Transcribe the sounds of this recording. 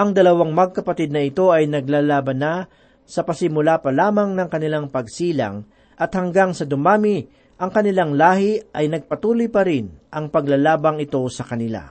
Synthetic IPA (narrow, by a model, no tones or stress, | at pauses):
ʔɐŋd̪ɐlɐwaŋmɐɡ̚kɐpɐt̪id̪̚nɐɪt̪o̞ɐjnɐɡlaːlaːbɐna | sɐpɐsɪmʊlapɐlaːmɐŋnɐŋkɐnɪlaŋpɐɡsiːlɐ̰ŋ | ʔɐt̪̚hɐŋɡaŋsɐd̪ʊmaːmɪ | ʔɐŋkɐnɪlaŋlaːhɪʔɐjnɐɡ̚pɐt̪uːlojpɐɾɪnʔɐŋpɐɡlalaːbɐŋɪt̪o̞sɐkɐnɪla̰